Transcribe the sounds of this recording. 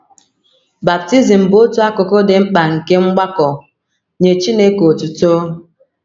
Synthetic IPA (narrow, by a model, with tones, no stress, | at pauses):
ba˨p̚ti˦zi˨m̩˨bo˦tu˦a˦ko˨ko˦de˨m̩˦k͡pa˨ŋ̩˨ke˦ŋ͡m̩˦ɡ͡ba˦kɔ˨ | ɲe˨t͡ʃi˦ne˦ko˨tu˨to˦